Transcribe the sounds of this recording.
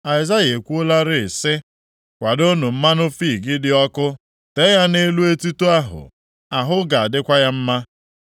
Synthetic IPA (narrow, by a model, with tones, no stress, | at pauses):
a˨ɪ˨za˦je˨kʷu˦o˦la˦ɾɪ˨ɪ˨sɪ˦ | kʷa˨do˦nʊ˨m̩˦ma˦nʊ˦fi˦˨ɡɪ˦dɪ˦ɔ˦kʊ˦ | te˦ja˦ne˦lu˦e˦tu˦tu˦a˦ɦʊ̰˨ | a˨ɦʊ˦ɡa˨a˨dɪ˦kʷa˦ja˦m̩˦ma˦